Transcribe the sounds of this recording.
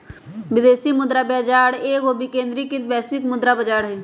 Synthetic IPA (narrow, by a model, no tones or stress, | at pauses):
ʋɪd̪eːsiːmʊd̪ɾaːbɛːd͡ʒaːɽeːɡoːbiːkẽːnd̪ɾiːkɪt̪ʋɛːspɪt̪mʊd̪ɾaːbəd͡ʒaːɽɦɛː